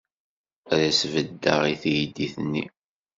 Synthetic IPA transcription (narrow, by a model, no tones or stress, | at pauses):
ɾæsvəd̪ːəʁiθjd̪ːiθənːi